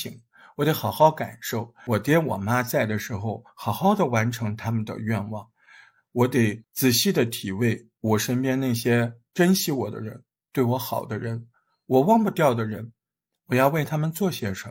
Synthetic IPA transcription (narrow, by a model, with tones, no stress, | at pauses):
i˧˥ŋ | wɔ˧˩t̪e˧˥ɪxɑ˨˩ʊxɑ˥˩ʊka̰˨˩nʂo˥˩ʊwɔ˨˩t̪jɛ˥nwɔ̰˨˩ma˥t͡sa˥˩ɪd̪ə˩ʂɻ̩˧˥xo˧ʊxɑ˨˩ʊxɑ˥˩ʊd̪ə˨wa˧˥nʈ͡ʂʰɤ˧˥ŋt̪ʰa˥mə˨nd̪ə̰˨˩ɥɛ˥˧nwɑ˥˩ŋ | wɔ˧˥t̪e˨˩ɪt͡sɹ̩˨˩ɕi˥˩d̪ə˩t̪ʰi˨˩we˥˩ɪ | wɔ˨˩ʂə˥npjɛ˥nna˥˩ɪɕjɛ˥ | ʈ͡ʂə˥nɕi˧˥wɔ˨˩d̪ə̰˦ɻə̰˧˥n | t̪we˥˩ɪwɔ˧˥xɑ˨˩ʊd̪ə˦ɻə˧˥n | wɔ˨˩wɑ˥˧˩ŋpu˧t̪jɑ˥˩ʊd̪ə˩ɻə˧˥n | wɔ˨˩jɑ˥˧ʊwe˥˩ɪt̪ʰa˥mə˨nt͡swɔ˥˩ɕjɛ˥ʂə˧˥